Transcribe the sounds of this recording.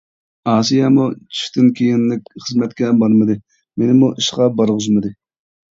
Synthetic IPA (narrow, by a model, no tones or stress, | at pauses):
ɑːsijɑmut͡ʃʰi̥ft̪ʰɪnkʲʰejɪnlɪk̚ʲχəzmɛt̪kʲɛbɑɾmɨd̪ɨ | menɪmuʔiʃqɑbɑɾʁʊzmɨd̪ɨ